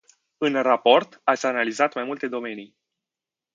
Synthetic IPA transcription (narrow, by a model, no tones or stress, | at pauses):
ɨnrapo̞rt̪at̪sʲanalizat̪majmult̪e̞d̪o̞me̞nij